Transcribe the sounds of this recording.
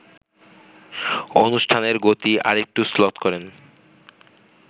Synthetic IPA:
onuʃʈʰaneɾɡot̪iʔa̰ɾek̚ʈuslɔt̪kɔɾen

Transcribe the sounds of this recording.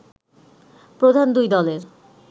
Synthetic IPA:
pɾod̪ʱand̪ujd̪ɔleɾ

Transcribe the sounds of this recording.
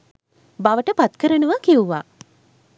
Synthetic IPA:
baʋəʈəpat̪kəɾənəʋakiuʋa

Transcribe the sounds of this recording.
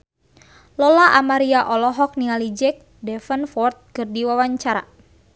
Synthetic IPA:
lɔlaʔamaɾiaʔɔlɔɦɔk̚niŋalid͡ʒɛk̚ | dɛfənfɔrt̪̚kɨrdiwawaɲt͡ʃaɾa̰

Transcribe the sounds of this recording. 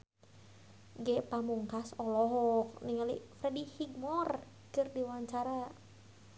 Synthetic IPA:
ɡɛpamuŋkasɔlɔɦɔk̚niŋalḭfɾɛdihiɡmɔr | kɨrdiwaɲt͡ʃaɾa

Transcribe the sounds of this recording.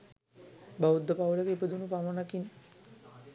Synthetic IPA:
baud̪ːəpawlakepəd̪unupamənakin

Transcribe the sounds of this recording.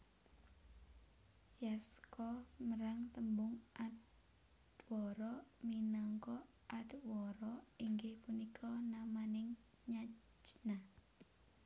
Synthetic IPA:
jaskɔməɾaŋt̪əmbʊŋʔad̪ | wɔɾɔminɔŋkɔ | ʔad̪wɔɾɔiŋɡɪhpunikʰɔnamanɪŋ | ɲa | d͡ʒna

